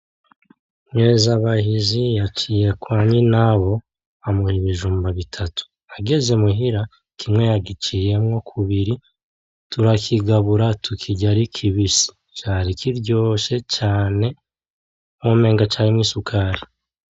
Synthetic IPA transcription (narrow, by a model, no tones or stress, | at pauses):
mŋezaβaɦizijat͡ʃije̞kwaːɲinaβo̞ | amuhiβiʒuːmbaβitʰatʰu̥ | aɡe̞ze̞muɦiɾa | kʰimŋejaɡit͡ʃije̞mŋo̞kʰuβiɾi | tuɾakʰiɡaβuɾatʰukʰiɟaɾikʰiβisi̥ | t͡ʃaːɾikʰiɾɟo̞ːʃe̞t͡ʃaːne̞ | mwoːme̞ːŋɡat͡ʃaːɾimŋiːsukʰaːɾi